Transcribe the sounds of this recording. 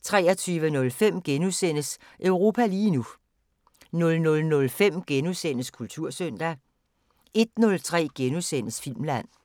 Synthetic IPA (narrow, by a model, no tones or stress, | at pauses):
t͡sʰʁɛ̰ːɐt͡sʰyːʋənɔ̽lfem̰ɡ̥enusen̰əs | ʔœʊʁo̝ːpʰæliːnu | nɔ̽lnɔ̽lnɔ̽lfem̰ɡ̥enusen̰əskʰult͡sʰuɐ̰søn̰d̥æ | e̝d̥̚nɔ̽lt͡sʰʁɛ̰ːɡ̥enusen̰əsfil̰mlæn̰